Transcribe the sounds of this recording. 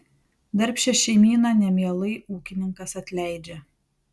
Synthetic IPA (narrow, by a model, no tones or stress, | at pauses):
d̪ɐɾʲpʲʃʲɛʃʲɛɪmʲiːnɐˑnʲɛmʲiɛlˠɐɪʔuːkʲɪnʲɪŋkɐsɐt̪ʲlʲæɪd͡ʒʲɛ